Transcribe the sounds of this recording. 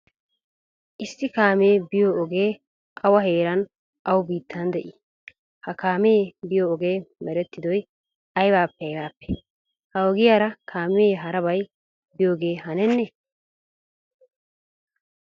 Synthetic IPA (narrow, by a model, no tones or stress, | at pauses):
ʔɪsːɪkaːme̞ːbɪjoɔɡe̞ː | ʔɐwɐɦeːɾɐn | ʔɐwbiːt̪ːɐnd̪ɛʔɪ | hɐkaːmebɪjoːɡe̞ːmɛɾɛt̪ːɪd̪ɔj | ɐjbaːpːɛɐjbaːpːɛ̥ | hɐɔɡɪjaːɾɐkʰaːmeɦɐɾɐβɐj | bɪjoːɡe̞ːɦɐnɛnːɛ